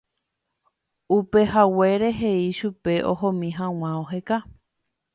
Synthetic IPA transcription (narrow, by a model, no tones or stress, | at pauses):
upe̞ɦawe̞ɾe̞ɦeiʃupe̞ʔohõmĩɦãw̃ãoɦeka